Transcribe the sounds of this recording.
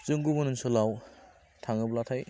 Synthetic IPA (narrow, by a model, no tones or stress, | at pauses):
zɯŋɡumunɯŋsɔlaw | tʰaŋɯblatʰaj